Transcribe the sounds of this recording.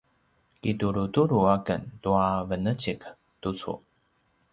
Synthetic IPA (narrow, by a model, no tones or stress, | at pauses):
kituɾutuɾuakə̰ntuavənət͡ɕik | tut͡sṵ